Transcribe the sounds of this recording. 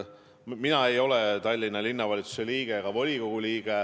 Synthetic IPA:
minɑe̞jo̞le̞t̪ɑlʲːinːɑlʲinːɑvɑlʲit̪su̥se̞liːɡ̥e̞ɡ̥ɑvolʲiko̞ɡ̥uliːɡ̥e

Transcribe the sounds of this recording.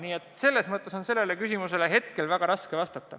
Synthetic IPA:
niːet̪se̞lːe̞smɤt̪ːˑe̞so̞nse̞lːele̞kysimuse̞le̞ɦe̞t̪ke̞lvæɡ̥ɑɾɑskevɑst̪ɑt̪ːɑ

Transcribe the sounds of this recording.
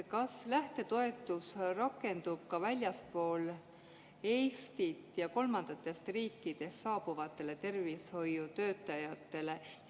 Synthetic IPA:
kɑslæht̪e̞t̪o̞e̞t̪ːˑusrɑkːˑe̞nd̪̥ub̥kɑvælʲjɑspo̞ːl | e̞jst̪it̪jɑko̞lmɑnd̪̥ɑt̪ːˑe̞st̪riːkːˑid̪̥e̞st̪sɑːb̥uvɑt̪ːˑe̞le̞t̪e̞rvisho̞jːut̪ø̞ːt̪ːˑɑjɑt̪ːˑe̞le̞

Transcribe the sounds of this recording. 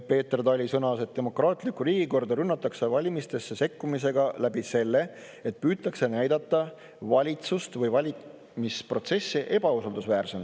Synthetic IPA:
pe̞ːt̪erd̪ɑlʲisɤnɑse̞t̪d̪̥e̞mo̞krɑːt̪ˑlikːuɾiːɡ̥iko̞rd̪ɑɾynːɑt̪ːˑɑksevɑlʲimist̪e̞sːe̞se̞kːumis̬e̞ɡ̥ɑlæbise̞lːe̞ | e̞t̪̚pyːt̪ːˑɑkse̞næjd̪ɑt̪ːɑ | vɑlʲit̪sust̪vɤjvɑlʲi | mispro̞t̪se̞sːiʔe̞b̥ɑusɑld̪usvæːrse̞m

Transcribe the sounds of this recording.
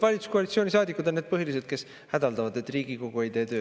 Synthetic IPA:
vɑlit̪u̥skoɑlit̪sionisɑːd̪ikːˑud̪nːed̪pɤɦilis̬e̞d̪̥̚ke̞s | hæd̪̥ɑld̪ɑvɑd̪e̞t̪ːˑriːɡ̥iko̞ɡ̥uejd̪e̞ːt̪ø̞ː

